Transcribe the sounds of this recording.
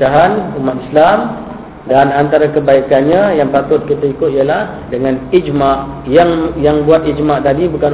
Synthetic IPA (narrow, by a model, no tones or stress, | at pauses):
aɦanumat̪islam | danant̪aɾakəbaikanɲãjaŋpat̪ʊt̪̚kit̪aikʊt̪ijalah | dəŋãnid͡ʒmaʔ | jaŋjaŋbuat̪̚id͡ʒmaʔt̪adibukan